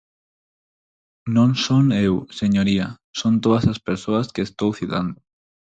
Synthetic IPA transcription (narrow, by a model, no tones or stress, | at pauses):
nõŋsonewseɲoɾia | sont̪oðɐsɐspeɾsoɐskeːst̪owθiða̰nd̪ʊ